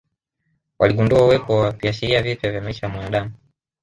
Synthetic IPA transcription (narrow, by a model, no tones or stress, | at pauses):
wʔa̰liɠunduauwɛpɔwakiaʃ̬iɾiavipjavjamaiʃajamwanaɗamu